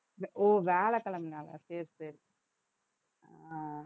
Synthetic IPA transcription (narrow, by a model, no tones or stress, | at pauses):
ʋoːʋɛːɭɐkːɐlɐmnaːlɐ̰seːɾsɐɾi | a